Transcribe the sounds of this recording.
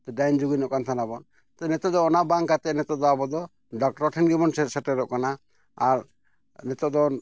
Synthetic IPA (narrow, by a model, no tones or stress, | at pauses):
t̪ɔɖajnd͡ʒuɡinɔʔkant̪ʰanabɔn | t̪ɛnɛt̪ɔd̪ɔɔnabaŋkat̪ɛnɛt̪ɔd̪ɔabɔd̪ɔ | ɖɔk̚ʈɔʈʰɛnɡibɔnsɛʈɛɾɔʔkana | aɾ | nɛt̪ɔʔd̪ɔ